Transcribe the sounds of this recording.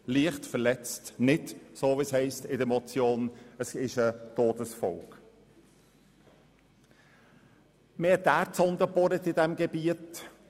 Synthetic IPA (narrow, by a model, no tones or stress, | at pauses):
liəχtfəɾlɛt͡stnɪtsoːvishɛɪstɪdəmɔt͡sjoːnəsɪʃətoːdəsfɔ̰lk | meːtdæːɾtsɔnd̪əbɔɾət̪ɪdɛmɡɛbiət